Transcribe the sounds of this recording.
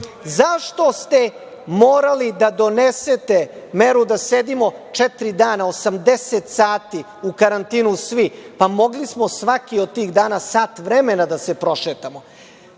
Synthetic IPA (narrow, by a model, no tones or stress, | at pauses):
zaʃt̪o̞st̪e̞ | moːɾalid̪ad̪o̞neset̪e̞meɾud̪ased̪imo̞t͡ʂɛt̪ɾid̪aːnaosamd̪eset̪saːt̪i | ukaɾant̪iːnusʋipamo̞ɡlismosʋakiod̪̚t̪iːɣd̪aːnasaːt̪ʋɾemenad̪asepɾo̞ʃeːt̪amo